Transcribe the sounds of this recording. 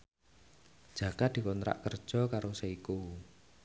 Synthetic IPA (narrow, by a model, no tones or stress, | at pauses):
d͡ʒ̥ä̤kad̪̥i̤kɔnɾa̰ʔkərd̥ʒ̥ɔ̤kaɾosaiku